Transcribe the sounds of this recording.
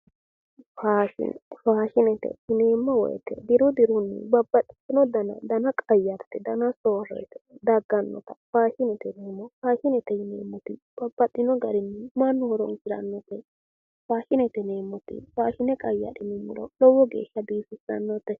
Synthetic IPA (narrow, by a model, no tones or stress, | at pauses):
faːʃɪ̰nɛfaːʃɪnɛt̪ɛ̰ɪneːmːɔwɔ̰jɛ̰t̪ɛ̰d̪ɪɾʊd̪ɪɾʊnːɪ̰bɐbːɐt̪ʼːɪ̥sɪnɔd̪ɐnɐ̰d̪ɐnɐkʼɐjːɐɾt̪ɛd̪ɐnɐsoːɾɔ̰jt̪ɛ̥d̪ɐɡːɐnːɔ̰t̪ɐfaːʃɪnɛt̪ɛneːmːɔfaːʃɪnɛt̪ɛhɪnḛːmːɔt̪ɪ | b̥ɐbːɐt̪ʼːɪnɔɡɐɾɪnːɪmɐnːʊhɔɾɔŋkɪɾɐ̰nːɔt̪ːɛ | faːʃɪnɛt̪ɛneːmːɔt̪ɪ̰faːʃɪnɛkʼɐjːɐ̰ɗɪnɪmːʊɾɔ̰lɔwɔɡḛːʃːɐb̪iːfɪsɐnːɔt̪ːɛ